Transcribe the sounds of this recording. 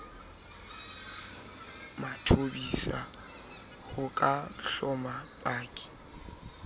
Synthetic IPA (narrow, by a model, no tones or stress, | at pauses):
matʰobisa | hʊkʼaɬɔmapʼaːkʼi̥